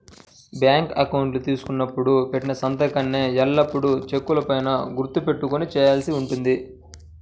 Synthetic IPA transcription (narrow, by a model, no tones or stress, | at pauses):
bjaːŋkɐkɐwɳʈlut̪iːsu̥kunːɐpːuɽupe̞ʈːinɐsɐnt̪ɐkɐnːeːɛɭːɐpːuɽut͡ʃe̞kːulɐpɐjnɐɡuɾt̪ːupe̞ʈːukonit͡ʃɛːjaːlsiuɳʈund̪i